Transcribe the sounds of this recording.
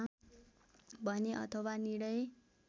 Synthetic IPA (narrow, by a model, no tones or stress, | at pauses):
bʱʌneʔʌ̰t̪ʰʌwaniɽʌj